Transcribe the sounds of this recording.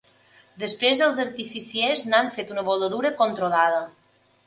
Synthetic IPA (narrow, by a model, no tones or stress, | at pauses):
d̪əspɾezðəlˠzəɾt̪ifisieznaɱfet̪unəβoləðuɾəkont̪ɾolað̞ə